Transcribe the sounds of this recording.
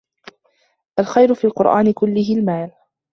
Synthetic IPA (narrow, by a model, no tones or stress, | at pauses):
ʔalxajɾʊfiːalqʊɾʔaːnɪkʊlːɪhɪlmaːl